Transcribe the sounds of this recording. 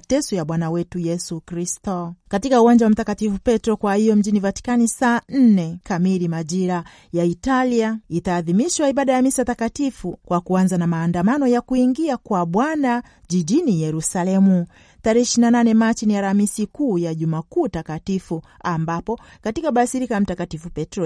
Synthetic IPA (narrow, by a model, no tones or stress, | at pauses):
tɛsujaɓwanawɛtujɛsukɾistɔkatikauwaɲd͡ʒawam̩takatifupɛtɾɔkwahijɔm̩ʄinivati̥kanisaːn̩nɛkamilimaʄiɾa | jaitaliaitaːðimiʃwaiɓaɗajamisatakatifukwakuanzanamaːndamanɔjakuiŋɡiakwaɓwana | ʄiʄinijɛɾusalɛmu | taɾɛhɛʃinananɛmat͡ʃiniaɾamisikuːjaʄumakuːtakatifuambapɔ | katikaɓasiɾikajam̩takatifupɛtɾɔ